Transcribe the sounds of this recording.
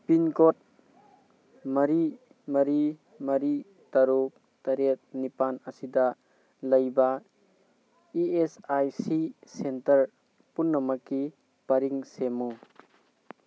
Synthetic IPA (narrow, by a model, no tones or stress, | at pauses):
pinkot̚ | mɐɾi | mɐɾi | mɐɾi | tɐɾuk̚ | tɐɾet̚nipanɐsidɐ | lɐjba | iesajsisentɐɾ | punːɐmɐki | pɐɾiŋsemu